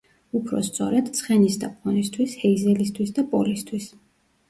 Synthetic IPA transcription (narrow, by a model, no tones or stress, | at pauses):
upʰɾɔ̰st̪sʼɔ̰ɾɛd̪t̪sʰχɛnisd̪ʼap̚ʰqɔnist̪ʰwishɛizɛlist̪ʰwisd̪apʼɔlist̪ʰwis